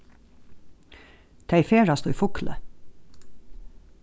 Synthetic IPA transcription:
t̪ʰeɪfeːɹast̪uːifʊklə̰

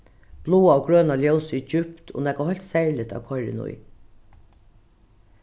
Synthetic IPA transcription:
b̥luːaɔɡɹøːnaljɔwsɪd͡ʒʏpt̪ʰo̰nɛkaɦœjlt̪sɛɹlɪt̪a̰wkʰɔɾɪ̰nʊ̰j

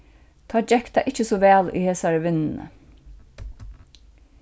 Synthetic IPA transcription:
t̪ʰɑːd͡ʒɛkt̪a̰ʔɪt͡ʃəsɔʋæːlḭːheːsaɹəʋɪnn̩ə̰

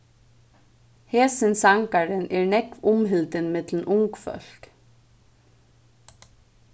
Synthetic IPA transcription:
heːsɪnsaŋkaɾɪnʔɛɹnɛkʋʊmɦɪlt̪ɪnmɪt̪ln̩ʔʊŋkfœ̰l̥k

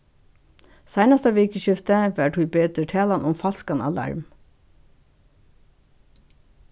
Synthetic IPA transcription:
sæɪnɑst̪ɑʋeːkəʃʏft̪əʋæːʈʰʉbeːt̪əʈʰeːlɑnʔʊmfɑlskɑnɑ̰lɑ̰ɹm

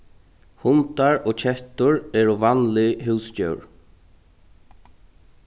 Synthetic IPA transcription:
hʊnt̪aɹɔːcʰɛht̪ʊɹɛːɹʊvanlɪɦʉwscœ̰wɹ

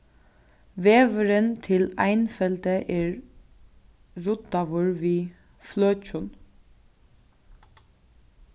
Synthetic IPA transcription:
ʋeːʋəɾənt̪ʰɪlajnfɛlt̪əʔeːɹ | ɹʊd̪aʋʊɹʋiː | fløːt͡ʃʊn

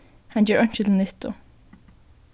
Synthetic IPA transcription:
hɑnjøːɹʔœɲʃət̪ʰl̩nɛt̪ʊ̰

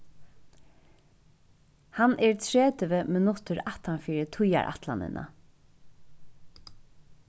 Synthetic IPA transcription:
hanʔɛɹt̪ʰɹeːt̪əʋəmɛnɔt̪əɾat̪anfiːɾət̪ʰʊja̰ɹʔa̰t̪lanɪ̰nʔa̰

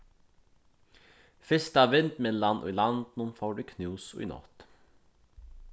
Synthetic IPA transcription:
fɪst̪ɑːʋɪnt̪meːlɑnʔɔ̰lɑnd̪nunfoːɖʉːkʰnʉːsɔ̰ḭnɔ̰t̪

